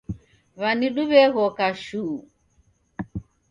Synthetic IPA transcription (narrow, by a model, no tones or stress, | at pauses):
βaniɗuβɛɣɔkaʃu